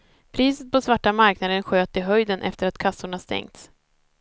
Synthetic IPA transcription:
pʰɾiːsət̪̚pʰɔsvaʈːamaɾknad̪ənɧøːt̪ɪɦœjd̪ənʔɛ̰ft̪əɾat̪kʰasːʊɳast̪ɛ̰ŋt̪s

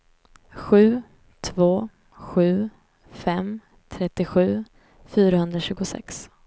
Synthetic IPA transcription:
ɧʉ̟ː | t̪ʰvoː | ɧʉ̟ː | fɛm | t̪ʰɾɛt̪ːɪɧʉ̟ː | fyːɾaɦɵnd̪ɾaɕʉ̟ːɡʊsɛ̰ks

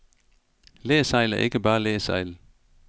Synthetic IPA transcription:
leːsɑ̈ɪlæɐʔe̝ɡ̥əb̥ɑ̈ːlḛːsɑɪl

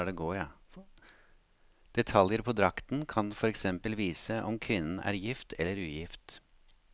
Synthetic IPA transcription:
ɖɛɡoːɑ | d̪̥ɛt̪ʰɑljəɾpʰɔd̪ɾɑkt̪nkʰɑnfɔɾɛksɛmpəlʋiːsəʔɔmkʰʋɪnːən̩æ̰ːɾjɪft̪ʰɛlːəɾʉːjɪft̪

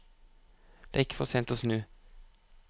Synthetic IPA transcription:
d̪̥ḛːɪkːə̥fɔʁseːnt̪oːsnʉː

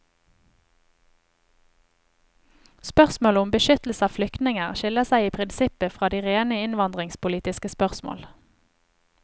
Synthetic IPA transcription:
spœʁsmoːləʊmbəʃʏt̪l̩səɑːflʏkt̪nɪŋəʁʃɪləsæɪiːpʰʁɪnsɪpəfʁɑːd̪iːʁeːnəɪnʋɑnd̪ʁɪŋspʊliːt̪ɪskəspœʁsmo̰ːl

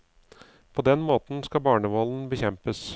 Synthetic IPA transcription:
pʰoːd̪ɛnmoːt̪n̩skɑbɑːɳəʋɔln̩bəçɛmpəs

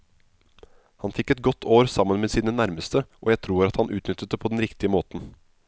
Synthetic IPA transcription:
hɑnfɪkːɛt̪̚ɡɔt̪ʰːoːɾsɑmːənmeːsiːnənæɾməst̪əʔoːjæɪt̪ʰɾuːɾɑt̪hɑnʔʉːt̪nʏt̪ːət̪̚əpʰoːd̪ɛnɾɪkt̪ɪəmoːt̪n̩

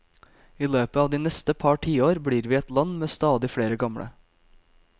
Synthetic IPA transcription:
iːløːpəɑːʋd̪iːnɛst̪əpʰɑʈʰiːoːɾbɽiːɾʋiːɛt̪lɑnmeːst̪ɑːd̪ɪfɽeːɾəɡɑmɽə̰

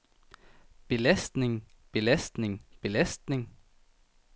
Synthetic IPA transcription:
b̥e̝læsd̥ne̝ŋ | b̥e̝læsd̥ne̝ŋb̥e̝læsd̥ne̝ŋ

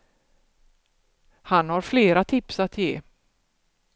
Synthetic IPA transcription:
hanhaɾfleːɾat̪ʰɪpsat̪jeː

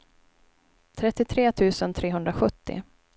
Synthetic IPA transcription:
t̪ʰɾɛt̪ːɪt̪ʰɾeːt̪ʰʉ̟ːsənt̪ʰɾeːɦɵnd̪ɾaɧɵt̪ːɪ̰

